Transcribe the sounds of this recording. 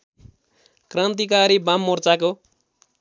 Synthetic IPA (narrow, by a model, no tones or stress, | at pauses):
krant̪̬ikaɾibamːort͡sako